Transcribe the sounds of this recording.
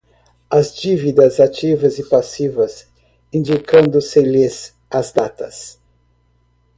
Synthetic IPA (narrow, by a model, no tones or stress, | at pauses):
ɐzd͡ʒivid̪ɐzat͡ʃivɐzɪpasivɐs | ĩnd͡ʒikɐ̃nd̪ʊsɪlɪs | ɐzd̪at̪ɐs